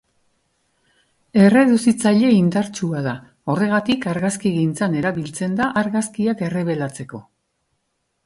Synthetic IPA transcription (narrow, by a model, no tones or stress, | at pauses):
e̞re̞ðusit͡saʎe̞ind̪aɾt͡ʃuaða | o̞re̞ɣ̞at̪ikaɾɣaskiɣijnt͡sane̞ɾaβilt͡se̞nd̪aʔaɾɣaskiake̞re̞β̞e̞lat͡se̞ko̞